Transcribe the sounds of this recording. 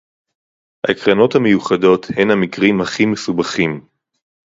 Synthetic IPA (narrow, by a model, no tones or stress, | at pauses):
ha̰ekʁano̞thamejuχado̞the̞nhamikʁimhaχimesubaχim